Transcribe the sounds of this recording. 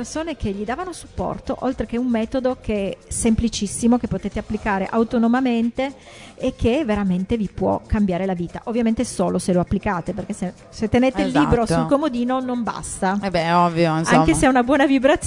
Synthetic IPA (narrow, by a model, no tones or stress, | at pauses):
ersoːnekʰeʎːid̪aːvanosu̥pːɔ̰rt̪o̰ʔolt̪ɾek̟eumːɛːt̪od̪okesemplit͡ʃisːimokepːot̪eːt̪eapːlikaːɾḛʔawt̪onomament̪eː | kʰːeveɾament̪evipwɔ̰kːambjaːɾelaviːt̪a̰ʔovːjament̪eɛsoːloseloapːlikaːt̪eperk̟ese | set̪ːeneːt̪eilːiːbɾosulkomod̪iːnonomba̰st̪abɛɔvːjonaŋkeseɛunabwɔːnavibɾat̪ː